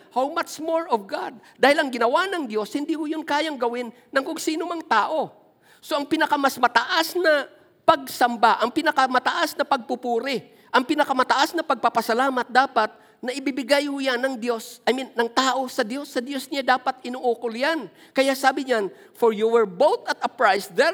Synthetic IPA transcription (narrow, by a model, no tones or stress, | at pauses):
hawmat͡ʃmoɹɔvɡad̪̚d̪aːhɪlʔɐŋɡɪnɐwanɐŋd̪jo̞shɪnd̪ihʊjʊnkaːjaŋɡɐwɪnːɐŋkʊŋsiːnomɐŋt̪aːʔo̞ | so̞ʔɐŋpɪnɐkamɐsmɐt̪ɐʔasnɐ | pɐɡ̚sɐmbaʔɐŋpɪnɐkɐmɐt̪ɐʔasnɐpɐɡ̚pʊpuːɾɪ | ʔɐŋpɪnɐkamɐt̪ɐʔasnɐpɐɡ̚papɐsɐlaːmɐt̪̚d̪aːpat̪̚ | nɐʔɪbibɪɡajhʊjanːɐŋd̪jo̞sʔɐminːɐŋt̪aːʔo̞sɐd̪jo̞sːɐd̪jo̞sɲad̪aːpat̪ɪnoʔoːkoljan | kɐjasaːbɪɲan | foɹjuwɛɹbowt̪ɐt̪ɐpɹajsd̪ɛ